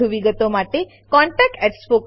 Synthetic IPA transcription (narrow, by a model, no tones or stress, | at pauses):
uʋiɡət̪omaʈe | kɔ̃ɳʈɛk̚ʈekspok